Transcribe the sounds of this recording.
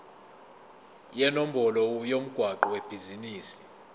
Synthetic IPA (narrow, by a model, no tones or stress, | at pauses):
jɛnom̩bɔlɔjom̩ɡ̥ʱwaǃɔweb̥ʱiziniːsi̥